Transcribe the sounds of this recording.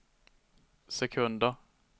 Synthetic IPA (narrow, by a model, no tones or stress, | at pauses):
sɛkʰɵnd̪əɾ